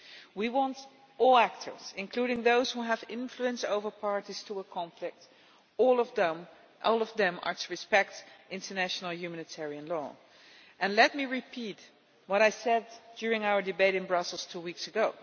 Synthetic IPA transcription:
wiwɑ̃nt | ʔɔlˠæk̚tʰə̰˞z̥ɪ̃nkʰl̥uɾɪ̃ŋðoʊz̥huəvɪ̃ɱfluɨ̃nsoʊvə˞pʰɑɹɾiz̥tʰəəkʰɑ̃ɱflɪk̚t | ɔlˠvm | ʔɔlˠʌvðɨ̃mə̰˞təɹɨspɛk̚tʔɪ̃ntə˞næʃnl̩ˠjʉmænɨtʰɛɹiɨ̃nlɔ̰ | ʔɨ̃nlɛt̚miɹɨpʰit | wʌɾaɪsɛddjʊɹɪ̃ŋaʊə˞dɨbeɪɾɨ̃nbɹʌsl̩ˠz̥tʰuwiksɨɡoʊ

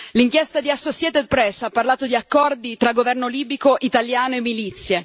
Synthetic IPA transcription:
liŋkjɛst̪ad̪iasːosjɛːt̪ɛd̪̚pɾɛsapːarlaːt̪od̪iakːɔrd̪it̪ɾaɡovɛrnoliːbikoʔit̪aljaːnoemːilit̪sːje

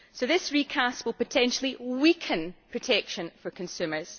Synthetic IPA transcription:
soðɪsɹikʰast̚wɪlˠpətʰɛ̃nʃəl̩ˠiwikʰə̃npʰɹ̥ətʰɛkʃə̃nfə˞kʰə̃nsʉmə˞z̥

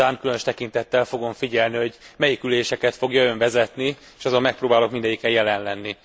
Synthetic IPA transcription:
aːŋkylø̞nøʃt̪ɛkint̪ɛt̪ːɛlfo̞ɡo̞ɱfiɟɛlniho̞ɟmɛjikyleːʃɛkɛt̪fo̞ɡjɒøɱvɛzɛt̪ni | ʃɒzommɛk̚proːbaːlo̞kmind̪ɛɟikɛjɛlɛnlɛnːi

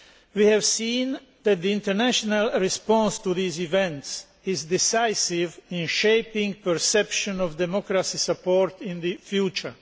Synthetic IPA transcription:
wihævsĩːn | ðæt̪̚ðiɪ̃ntəɹnæʃɔnalˠɹɪspɔ̃nst̪uðizivɛ̃nts | ɪzd̪ɪsaɪsɪvɪ̃nʃeɪpɪ̃ŋpəɹsɛpʃɔ̃nɔvd̪ɛmɔkɾasisəpɔɾt̪ɪ̃nðɨfjut͡ʃə˞

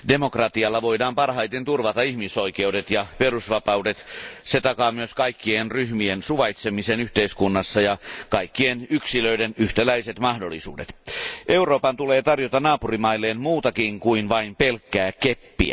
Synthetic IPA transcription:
demokrɑt̪iɑlːɑʋo̞idɑːmpɑrhɑjt̪ent̪urʋɑt̪ɑihmisoikeudet̪jɑperusʋɑpɑudet̪set̪ɑkɑːmyøskɑikːienryhmiensuʋɑit̪semiseːnyht̪eiskunːɑsːɑjɑkɑikːienyksiløidenyht̪ælæiset̪mɑhdolːḭsṵːdet̪ʔe̞uroːpɑnt̪uleːt̪ɑrjot̪ɑnɑːpurimɑilːeːnmuːt̪ɑkiŋkuinʋɑimpelkːæːkepːḭæ̰

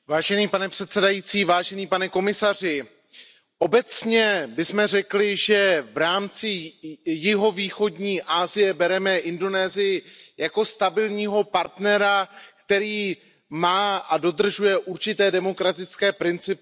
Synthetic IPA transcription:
vaːʒɛniːpanɛpr̥ɛt̪sɛdajiːt͡siːvaːʒɛniːpanɛko̞mɪsar̝ɪ | ʔo̞bɛt͡sɲɛbɪsmɛr̝ɛklɪʒɛvɾaːmt͡sɪjɪɦo̞viːxo̞dɲiːʔaːzɪjɛbɛɾɛmɛʔɪndo̞nɛːzɪjɪjako̞st̪abɪlɲiːɦo̞paɾt̪nɛɾakt̪ɛɾiː | maːʔado̞d̪r̩ʒujɛʔuɾt͡ʃɪt̪ɛːdɛmo̞kɾat̪ɪt͡skɛːpɾɪnt͡sɪpɪ

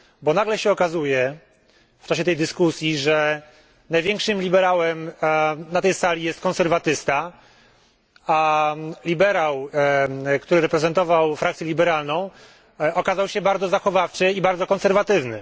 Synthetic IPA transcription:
bɔnaɡlɛɕɛɔkazujɛ | ft͡ʂaɕ̬ɛt̪ɛjd̪ɘskusʲjiʐɛ | najvʲjɛŋkʂɘmlʲibɛɾawɛmnat̪ɛjsalʲijɛst̪̚kɔ̃nsɛɾvat̪ɘst̪a | alʲibɛɾaw | kt̪uɾɘɾɛpɾɛzɛnt̪ɔvawfɾakt̪sjɛlʲibɛɾalnɔ̃w̃ | ɔkazawɕɛbaɾd̪zɔzaxɔvaft͡ʂɘibaɾd̪ɔkɔnsɛɾvat̪ɘvnɘ

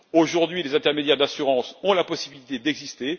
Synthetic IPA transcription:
oʒuʁd̪ɥilezɛ̃t̪ɛʁmed̪jɛʁd̪asyʁɑ̃sɔ̃lapɔsibilit̪ed̪ɛɡzist̪e

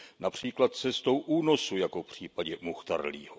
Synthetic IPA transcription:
napr̝̥iːklat̪̚t͡sɛst̪o̞wʔuːno̞sujako̞fpr̝̥iːpaɟɛmuxt̪a̰ɾlḭːɦo

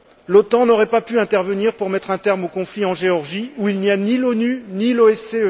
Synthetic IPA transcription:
lɔt̪ɑ̃nɔʁɛpapyɛ̃t̪ɛʁvəniʁpuʁmɛt̪χɛ̃t̪ɛʁmokɔ̃fliɑ̃ʒeɔʁʒiuilnianilɔnyniloɛseø

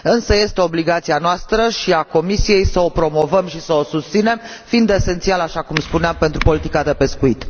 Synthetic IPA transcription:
ɨnsəje̞st̪e̞o̞bliɡat̪sianoast̪ɾəʃiako̞misije̞jsəo̞pɾo̞mo̞vəmʃisəo̞sust̪sine̞m | fiind̪e̞se̞nt̪sialaʃakumspuneampe̞nt̪ɾupo̞lit̪ikad̪e̞pe̞skuit̪

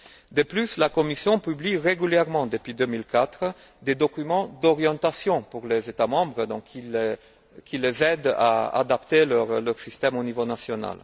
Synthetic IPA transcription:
d̪əplyslakɔmisjɔ̃pybliʁeɡyljɛʁmɑ̃d̪əpɥid̪ømilkat̪χə | d̪ed̪ɔkymɑ̃d̪ɔʁjɑ̃t̪asjɔ̃puʁlezet̪amɑ̃bʁəd̪ɔ̃kʰːile | kʰʲilezɛd̪a̰a̰d̪apt̪elœʁlœʁsist̪ɛmonivonasjɔna̰l

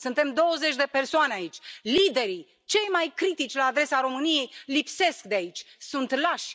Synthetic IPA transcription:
sɨnt̪e̞md̪o̞wəze̞t͡ʃʲd̪e̞pe̞rsoaneait͡ʃʲlid̪e̞ɾi | t͡ʃe̞jmajkɾit̪it͡ʃʲlaːd̪ɾe̞saɾo̞mɨnije̞jlipse̞sk̚d̪eait͡ʃʲsunt̪laʃʲ

